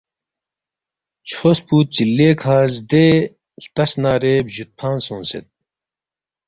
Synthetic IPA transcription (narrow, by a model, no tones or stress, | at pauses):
t͡ɕʰoːspuːt̪̚t͡ɕilːeːkʰaːzd̪eː | t̪ɐsnaːɾeːbʑut̪̚pʰaːnsõːnsḛt̪̚